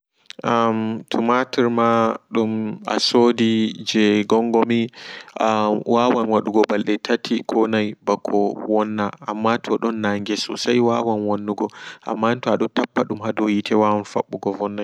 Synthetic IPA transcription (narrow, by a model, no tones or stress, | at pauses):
ʔamtʰumatiɾmaɗuma̰soːdid͡ʒɛɡɔŋɡɔmiawawanwaɗuɡɔbalɗɛtʰatʰikʰɔnajbakʰːɔwɔnːaa̰mːatʰɔɗɔnːaŋɡɛsɔ̰sajwawanwonːuɡɔʔa̰mːantɔaɗɔntapːaɗumhadɔjitʰɛwawanfaɓːuɡɔvɔnːaj